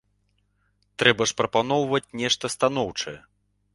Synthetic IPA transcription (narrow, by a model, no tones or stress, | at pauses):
t̪ɾɛbɐʂpɾɐpanɔwvɐt͡sʲnʲɛʂt̪ɐst̪anɔwt͡ʂɐjɛ